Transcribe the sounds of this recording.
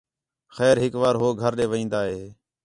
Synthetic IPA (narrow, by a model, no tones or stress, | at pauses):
xɛːɾɦɪkʋaːɾɦoːɡʱəɾɗẽːʋəĩːnd̪aːɦeː